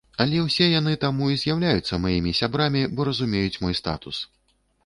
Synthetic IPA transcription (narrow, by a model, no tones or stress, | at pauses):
ɐlʲɛwsʲɛjan̪ɨt̪amuizʲjawlʲajut̪sːɐmajimʲisʲabɾamʲibɔɾɐzumʲejut͡sʲmɔjst̪a̰t̪us